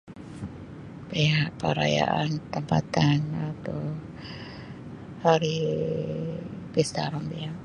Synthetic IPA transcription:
peaʔpaɾaja̰ʔant̪əmpat̪anat̪ɔ | haɾi | pest̪aɾɔnpeɦaʔ

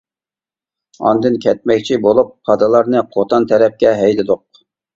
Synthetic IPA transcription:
ɑ̰nd̪ɨnkʲʰɛt̪̚mɛkʲt͡ʃʰibolˠup̚χʰɑd̪ɨlˠɑɾnɨqʰot̪ʰɑnt̪ʰɛɾɛp̚kʲɛɦɛjlɪd̪ʊq̚

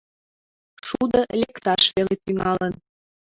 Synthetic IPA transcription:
ʃud̪əlʲekt̪ɑʃβelet̪yŋɑlən

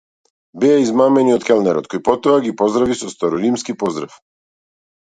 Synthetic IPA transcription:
bɛaizmamɛniɔt̪kɛlˠnɛɾɔ̰t̪̚kɔjpɔt̪ɔaɡipɔzd̪ɾavisɔst̪aɾɔɾimskipɔzd̪ɾaf

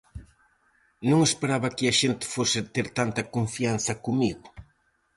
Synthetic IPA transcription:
nõŋespeɾaβɐkɪɐʃent̪ɪ̥fosɪt̪eɾt̪ant̪ɐkoɱfianθɐkomiɣʊ

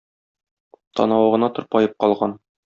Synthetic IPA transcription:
t̪ɒ̰nɑwɤ̆ʁɤ̆nɑt̪ŏɾpɒjɤp̚qɒlˠʁɑn

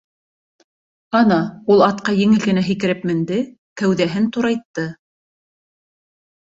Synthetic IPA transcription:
ɑnɑulˠɑt̪̚qɑjɘ̆ŋɘlɡɘ̆næɦikɘ̆ɾɘpmɘ̆nd̪ɘ | kæwðæɦɘnt̪uɾɑjt̪ːɤ

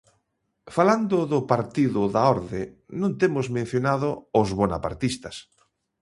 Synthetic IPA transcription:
faland̪ʊðʊpaɾt̪iðʊðaɔɾðe | nõnt̪emʊzmẽn̟θjonaðʊʊzβona̰pa̰ɾt̪ist̪ɐs

